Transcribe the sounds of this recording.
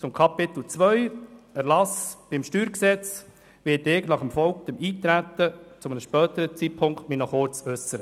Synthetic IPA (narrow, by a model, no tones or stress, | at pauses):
t͡sʊmkʰɑpɪt̪l̩t͡sʋœʏɛɾlɑsb̥ɪmʃtyːɾksɛt͡s | ʋɪtɪːknɑχəmfɔlkd̪̥əmiːt̪ɾæt̪ːət͡sʊmənəʃpœːt̪əɾət͡sit̚pʰʊŋktminɔχʊt͡sœsəɾə